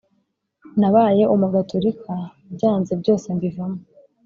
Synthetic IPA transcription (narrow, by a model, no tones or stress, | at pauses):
naβaːje̞ʔumuɡatʰoɾikʰa | bɟaːnzebɟo̞ːse̞mbivamo